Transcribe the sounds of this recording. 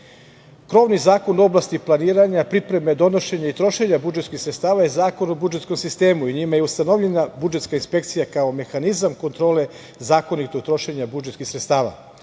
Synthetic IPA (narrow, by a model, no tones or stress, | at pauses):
kɾo̞ːʋnizaːko̞no̞blˠast̪iplˠaniːɾaɲapɾipɾe̞me̞d̪o̞no̞ʃe̞ɲait̪ɾo̞ʃe̞ɲabud͡ʒet̪skixsɾet̪st̪aːʋajezaːko̞no̞bud͡ʒet̪sko̞msist̪e̞ːmuiɲimajeust̪ano̞ʋʎenabud͡ʒe̞t̪skainspe̞k̚t̪sijakao̞me̞xanizamko̞nt̪ɾo̞ːle̞ | zaːko̞nit̪o̞ɡt̪ɾo̞ʃe̞ɲabud͡ʒet̪kixsɾet̪st̪aːʋa̰